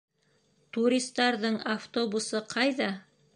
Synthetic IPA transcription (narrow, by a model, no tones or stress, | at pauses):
t̪uɾʲist̪ːɑɾðɤɴaft̪o̞busɤqʰɑjðɑ